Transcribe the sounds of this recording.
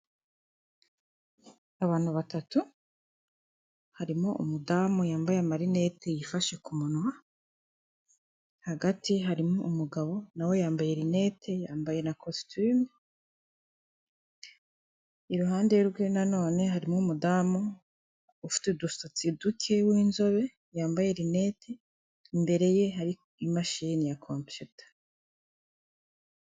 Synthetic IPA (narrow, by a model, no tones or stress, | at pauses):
aβaːnhuβatatu | haɾimoʔṵmudaːmujaːmbajeamaɾine̞te̞jifaʃe̞kumunwa | haɡatiɦaɾimŋoumuɡaβo̞nawe̞jaːmbaje̞ɾine̞ːtʰe̞jaːmbaje̞nakʰo̞styːme | iɾuɦaːndeɾɡwenano̞ːne̞ɦaɾimŋumudaːmo | ufi̥tedustot͡sidukʰe̞wiːnzo̞βe̞ | jaːmbaje̞ɾine̞tʰe | imbe̞ɾe̞je̞ɦaɾi | imaʃinijakʰompjutḁ